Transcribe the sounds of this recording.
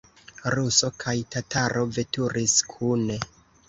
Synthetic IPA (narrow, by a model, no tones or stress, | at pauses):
ɾuso̞kʰajtataɾʔo̞ve̞tuɾiskʰune̞